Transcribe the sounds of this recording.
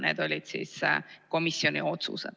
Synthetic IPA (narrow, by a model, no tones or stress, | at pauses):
nɛ̰t̪olet̪sḛsa̰komːisːjoːneot̪sṵːsa̰